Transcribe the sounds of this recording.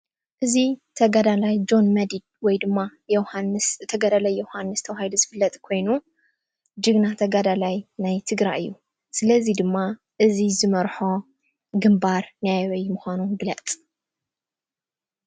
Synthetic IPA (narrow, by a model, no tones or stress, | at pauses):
ʔɨzit̪ʰɐɡad̪alajd͡ʒo̞nmɐd̪id̪̚wɔjd̪ɨmːaant̪ʰɐɡad̪alajːohanːɨst̪ʰɐwahaid̪uzɨfɨlːɐt̪ʼkʰo̞jnu | d͡ʒɨɡnat̪ʰɐɡad̪alajnajt̪ʰɨɡɾajʔɨjːu | sɨlɐzid̪ɨmːa | ʔɨzizɨmɐɾħo̞ | ɡɨmbaɾnajawɐjmɨxʷanuɡɨlɐt͡sʼ